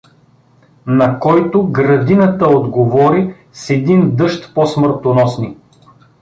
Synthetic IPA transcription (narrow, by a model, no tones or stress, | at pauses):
nɐkɔjt̪oɡɾɐd̪inət̪əod̪ɡovɔɾi | sɛd̪ind̪ɤʃt̪pɔsmɤɾt̪onɔsni